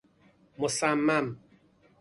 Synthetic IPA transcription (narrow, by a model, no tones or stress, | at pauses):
mʊsamːam